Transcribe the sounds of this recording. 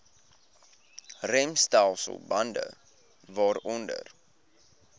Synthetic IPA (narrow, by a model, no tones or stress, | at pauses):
rɛmstɛlˠsə̰lˠbɐndə̰ | vɑːɾɔndə̰r